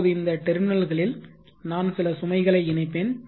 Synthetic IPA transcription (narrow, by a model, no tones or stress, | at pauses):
ðɯɪnd̪ɐʈɛɾmɪnɐlɣɐɭɪl | naːnsɪlɐsʊmɐɪɣɐɭɐɪɪɳɐɪpːeːn